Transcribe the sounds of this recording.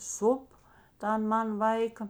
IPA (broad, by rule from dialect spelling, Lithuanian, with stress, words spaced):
ˈsʊp ˈtɐn ˈmɐn ˈʋɐɪkɐ